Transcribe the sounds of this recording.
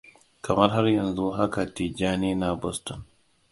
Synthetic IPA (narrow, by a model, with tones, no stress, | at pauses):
kɐ˨mɐ˦rɦa˦rjɐ˨nzu˦ɦa˦ka˨ti˨d͡ʒaː˦niː˦na˨bɔ˦stɔ˨n